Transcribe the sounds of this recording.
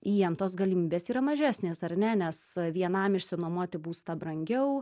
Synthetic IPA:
ijɛmt̪oːsɡɐlʲɪmʲiːbʲeːsiːɾɐmɐʒʲæːsʲnʲeːsɐrnʲɛnʲɛsʋʲiɛnɐmɪʃʲsʲɪnoɔmuɔt̪ʲɪbuːst̪ɐbrɐŋʲɡʲɛʊ

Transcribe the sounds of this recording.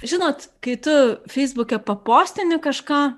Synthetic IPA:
ʒʲɪnoːt̪kɐɪt̪ʊfʲɛɪzbʊkʲɛpɐpoːsʲt̪ʲɪnʲɪkɐʃkɑː

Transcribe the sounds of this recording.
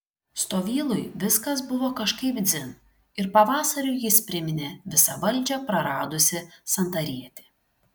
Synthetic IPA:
st̪oːʋʲiːlˠʊjʋʲɪskɐsbʊʋoːkɐʃkɐɪpd̪zʲɪn | ɪɾpɐʋɑːsɐɾʲʊɪjɪspʲɾʲɪmʲɪnʲeʋʲɪsɐʋɐlʲd͡ʒʲɛpɾɐɾɑːd̪ʊsʲɪsɐnt̪ɐɾʲiɛt̪ʲe

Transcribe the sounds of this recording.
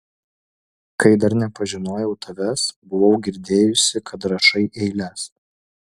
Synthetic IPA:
kɐɪd̪ɐɾnʲɛpɐʒʲɪnoːjɛʊt̪ʰɐʋʲɛsbʊʋɐʊɡʲɪɾʲd̪ʲeːjʊsʲɪkʰɐt̪ɾɐʃɐɪʔɛɪlʲɛs

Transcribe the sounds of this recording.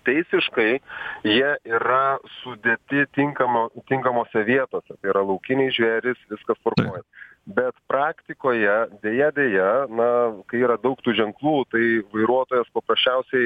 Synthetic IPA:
t̪ʲɛɪsʲɪʃkɐɪjiɛiːɾɐsʊd̪ʲeːt̪ʲɪt̪ʲɪŋkɐmot̪ʲɪŋkɐmoːsʲɛʋʲiɛt̪oːsʲɛt̪ɐɪiɾɐlˠɐʊkʲɪnʲɛɪʒʲʋʲæːɾʲɪsʋʲɪskɐspɐɾkoːjɛs | bʲɛt̪pɾɑːkt̪ʲɪkoːjɛd̪ʲeːjɛd̪ʲeːjɛnɐkɐɪiːɾɐd̪ɐʊkt̪uːʒʲɛŋklˠuːt̪ɐɪʋɐɪɾuɔt̪oːjɛspɐpɾɐsʲt͡ʃʲɛʊsʲɛɪ

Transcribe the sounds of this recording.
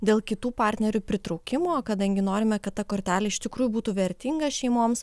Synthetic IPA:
d̪ʲeːlˠkʲɪt̪uːpɑˑɾʲt̪ʲnʲɛɾʲʊpʲɾʲɪt̪ɾɔʊkʲɪmoːkɐd̪ɐŋʲɡʲɪnoːɾʲɪmʲɛkɐt̪t̪ːɐkoːɾʲt̪ʲæːlʲɛɪʃt̪ʲɪkɾuːjʊbuːt̪uːʋʲɛɾʲt̪ʲiŋɡɐʃʲɛɪmoːms

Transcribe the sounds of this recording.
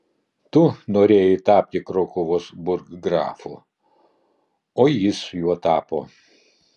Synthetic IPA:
t̪ʊnoːɾʲeːjɪt̪ɑːpʲt̪ʲɪkɾoːkʊʋosbʊɾɡɡɾɑ̰ːfʊ̰ | oːjɪsjuɔt̪ɑːpo̰ː

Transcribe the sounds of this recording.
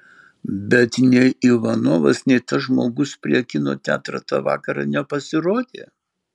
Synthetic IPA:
bʲɛt̪nʲɛiʋɐnoːʋɐsnʲɛɪt̪ɐʒmo̰ːɡʊspʲɾʲiɛkʲɪno̰ːt̪ʲæːt̪ɾɐ̰t̪ɑ̰ːʋɑ̰ːkɐɾɑ̰nʲɛpɐsʲɪɾoːd̪ʲeː

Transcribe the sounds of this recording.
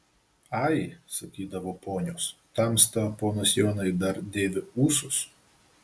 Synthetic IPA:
ɑɪsɐkʲiːd̪ɐʋoːpoːnʲoːst̪ɐˑmst̪ɐpoːnɐsjoːnɐɪd̪ɐɾd̪ʲeːʋʲɪuːsʊs

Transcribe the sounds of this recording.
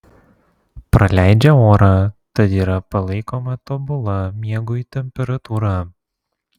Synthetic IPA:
pɾɐlʲæˑɪd͡ʒʲɛoːɾɑt̪ɐt̪iːɾɐpɐlˠɐɪkoːmɐt̪ɔbʊlˠɐmʲiɛɡʊt̪ʲɛmʲpʲɛɾɐt̪uːɾɑ

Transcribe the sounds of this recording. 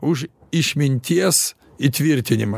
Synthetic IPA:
ʊʃ | ɪʃʲmʲɪnʲt̪ʲiɛs | it̪ʲʋʲɪɾʲt̪ʲɪnʲɪmɐ

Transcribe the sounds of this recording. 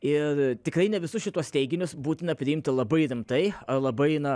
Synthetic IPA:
ɪrt̪ʲɪkɾɐɪnʲɛʋʲɪsʊsʃʲɪt̪uɔst̪ʲɛɪɡʲɪnʲʊsbuːt̪ʲɪnɐpʲɾʲɪɪmʲt̪ʲɪlˠɐbɐɪɾʲɪmt̪ɐɪɐlˠɐbɐɪnɐ

